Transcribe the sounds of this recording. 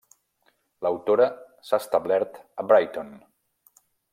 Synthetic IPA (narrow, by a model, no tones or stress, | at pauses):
ləwt̪oɾə | saːst̪əβlɛɾt̪əbɾajt̪on